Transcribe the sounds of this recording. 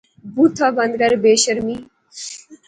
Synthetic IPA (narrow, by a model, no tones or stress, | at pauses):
but̪ʰɐbɐnd̪ɡəɾbeːɕəɾmi